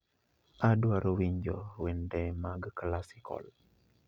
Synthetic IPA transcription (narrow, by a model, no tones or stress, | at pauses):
adwaɾowiɲd͡ʒowendɛmaɡklasikɔ̰l